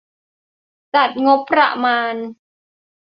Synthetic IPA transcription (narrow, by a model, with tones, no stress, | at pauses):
t͡ɕa˨˩t̪̚ŋo˦˥pʰːɾa̰˧maː˧n